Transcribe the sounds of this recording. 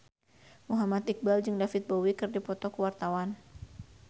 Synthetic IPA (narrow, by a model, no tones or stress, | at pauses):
muɦamat̪ik̚bald͡ʒɨŋdafɪt̪̚bowikɨrdipɔt̪ɔkuwart̪awan